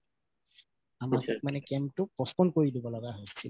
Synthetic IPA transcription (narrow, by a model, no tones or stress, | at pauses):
amak̚manɛkɛmtʊpɹɔspɔnkoɹidibɔlɔɡaɦojsi